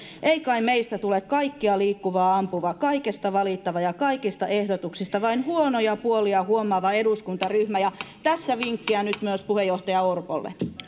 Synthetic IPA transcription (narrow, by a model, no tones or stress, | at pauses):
ʔeikɑimmeist̪æt̪ulekkɑikːiɑliːkːuʋɑːɑmpuʋɑkɑikest̪ɑʋɑlit̪ːɑʋɑjɑkɑikist̪ɑʔehdot̪uksist̪ɑʋɑinhuonojɑpuoliɑhuomɑʋɑe̞duskunt̪ɑryhmæjɑt̪æsːæʋiŋkːiænyt̪myøspuhejːoht̪ɑjɑorpolːḛ